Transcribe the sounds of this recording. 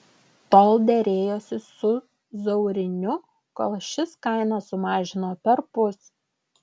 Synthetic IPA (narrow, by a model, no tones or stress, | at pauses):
t̪oːlˠd̪ʲɛɾʲeːjoːsʲɪsʊ | zɔʊɾʲɪnʲʊ | ko̰ːlˠʃʲɪskɑɪnɐsːʊmɑːʒʲɪnoːpʲɛɾpʊs